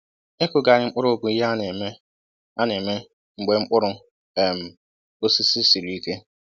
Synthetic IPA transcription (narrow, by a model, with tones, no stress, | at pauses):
e˦kʊ˨ɡa˨ɾɪ˨ŋ͡m̩˦k͡pʊ˦ɾʊ˦o˦˨ɡʷʊ˨i˦ɦa˦n˨me˦ | a˦ne˨me˦ | ŋ͡m̩˨ɡ͡be˨ŋ͡m̩˦k͡pʊ˦ɾʊ˦ | e˨m̩˨ | o˦si˦si˦si˨ɾi˨i˦ke˦